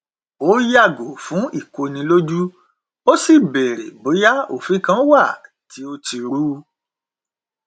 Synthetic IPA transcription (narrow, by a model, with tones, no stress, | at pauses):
o˨˦ja˦˨ɡo˨fũ˨˦i˦˨ko˧nĩ˧lo˦d͡ʒu˦ | o˦si˦˨bɛ˨ɾḛ˨bo˨˦ja˦o̰˦˨fĩ˨˦kã˦wa˦˨ | ti˨˦o˧ti˧ɾu˦˧